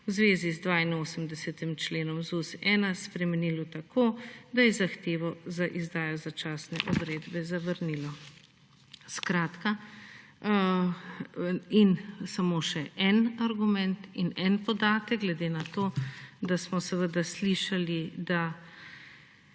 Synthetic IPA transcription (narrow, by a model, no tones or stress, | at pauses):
wzʋeːzizd̪ʋaːinoːsəmd̪ɛsɛt̪imt͡ʃleːnɔmzusɛːnaspɾɛmɛniːlɔt̪akʰoːd̪ajɛzaxt̪eːʋɔzaʔizd̪aːjɔzat͡ʃaːsnɛ̰ʔɔd̪ɾeːd̪bɛzaʋəɾnilɔ | skɾaːt̪ka | insamoʃɛʔɛnaɾɡumɛnt̪inɛnpɔd̪aːt̪əɡ̚ɡlɛd̪enat̪oːd̪asmɔsɛʋəd̪asliʃalid̪a